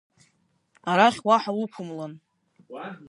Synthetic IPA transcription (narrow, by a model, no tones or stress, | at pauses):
aɾaχʲwaħalupʰʊmlan